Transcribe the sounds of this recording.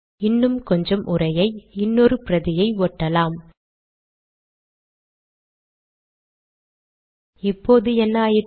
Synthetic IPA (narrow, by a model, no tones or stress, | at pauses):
ɪnːɯmkɔɲd͡ʒɐmʔʊrɐjɐɪɪnːɔrɯpɪɾɐðɪjɐɪoːʈːɐlaːm | ɪpːoːðɯɛnːaːjɪ